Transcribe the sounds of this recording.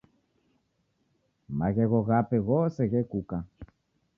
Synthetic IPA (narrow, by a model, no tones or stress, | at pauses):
maɣɛɣɔɣapɛɣɔsɛɣɛkuka